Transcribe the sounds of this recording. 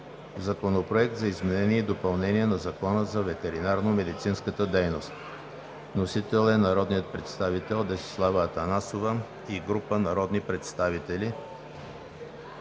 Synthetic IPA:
zɐkonopɾoɛk̚t̪zɐizmɛnɛniɛid̪opɐlˠnɛniɛnɐzɐkɔnəzɐvɛt̪ɛɾinaɾnomɛd̪it̪sinskət̪əd̪ɛjnost̪ | nosit̪ɛlˠɛnɐɾɔd̪nijət̪̚pɾɛt̪st̪avit̪ɛlˠd̪ɛsi̥slˠavəːt̪ɐnasovə | iɡɾupənɐɾɔd̪nipɾɛt̪st̪avit̪ɛli

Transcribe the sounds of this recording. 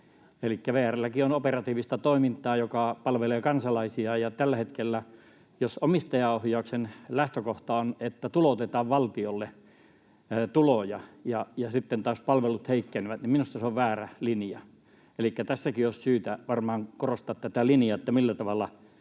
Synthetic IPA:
elikːæʋeːærælːækionoperɑt̪iːʋist̪ɑt̪oˑimint̪ˑɑːjokɑpɑlʋeleːkɑnsɑlɑisiɑjɑt̪ælːæhet̪kelːæ | josomist̪ɑjɑohjɑˑuksenlæht̪økoht̪ɑonet̪ːæt̪ulot̪et̪ɑːʋʋɑlt̪iolːe | t̪ulojɑjɑjɑsit̪ːent̪ɑːspɑlʋelut̪heikːeneʋæt̪niminust̪ɑseoʋʋæːrælinjɑ̰ | elikːæt̪æsːækioˑssyːt̪æʋɑrmɑːŋkorost̪ɑːt̪t̪æt̪ælinjɑet̪ːæmilːæt̪ɑʋɑlːɑ

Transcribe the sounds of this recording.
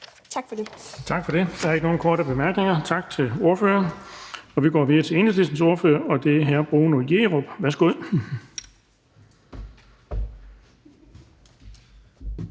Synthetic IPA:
t͡sʰɑɡ̥fɒd̥et͡sʰɑ̈ɡ̥fɒ̽d̥e̝d̥ɑæɐe̝ɡ̥əno̝ːn̩kʰɒːɾəb̥e̝mæɐɡ̥ne̝ŋɐt͡sʰɑ̈ɡ̥t͡sʰe̝lo̝ɐføːɐ | ɒ̽ʋiɡ̥ɒ̰ːʋiðˠɐt͡sʰe̝e̝nəsdisn̩so̝ɐføːɐɒ̽d̥e̝æɦæɐb̥ʁoːnojeːʁob̥ʋæɐsɡ̥oð̰ˠ

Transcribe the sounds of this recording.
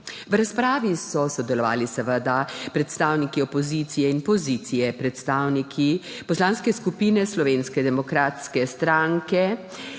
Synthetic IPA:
ʋɾaspɾaːʋisɔsɔd̪ɛlɔʋa̰ːlisəʋəd̪apɾɛt̪st̪aːwnikiɔpɔziːt̪sijɛinpɔzit̪sijɛpɾɛt̪st̪aːwnikʰipɔslaːnskɛskupiːnɛslɔʋeːnskɛd̪ɛmɔkɾaːt̪skɛst̪ɾaŋkɛ

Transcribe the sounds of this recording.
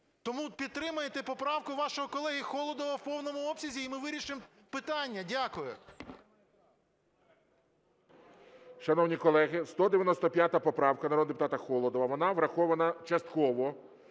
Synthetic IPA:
t̪ɔmupʲid̪̚t̪ːɾɪmɐjet̪ɛpɔpɾɑwkʊʋɑʃɔɦɔkɔlˠɛɦʲixɔlˠɔd̪ɔʋɐwpɔwnɔmʊɔpsʲɐzʲiːmɪʋɪɾʲiʃɪmpɪt̪ɑnʲːɐdʲakʊjʊ | ʃɐnɔwnʲikɔlˠɛɦɪst̪ɔd̪eʋʲjɐnɔst̪ɔpʲjat̪ɐpɔpɾɑwkɐnɐɾɔd̪d̪epʊt̪ɑt̪ɐxɔlˠɔd̪ɔʋɐʋɔnɑʋɾɐxɔʋɐnɐt͡ʃɐst̪kɔʋɔ

